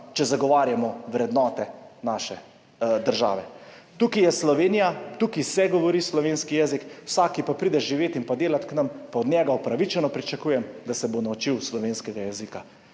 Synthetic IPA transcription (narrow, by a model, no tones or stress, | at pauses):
t͡ʃɛzaɡɔʋaːɾjamɔʋɾɛd̪nɔːt̪ɛnaʃɛ | d̪əɾʒa̰ːʋɛ | t̪uːkijɛslɔʋeːnijat̪uːkisɛɡɔʋɔɾislɔʋeːnskijɛzikwsaːkipapɾiːd̪ɛʒʒiʋeːt̪inpad̪eːlat̪knampaɔd̪ɲʲjɛːɡaupɾaʋit͡ʃɛnɔpɾit͡ʃakuːjɛmd̪asɛbonaut͡ʃiwslɔʋeːnskɛɡajɛzika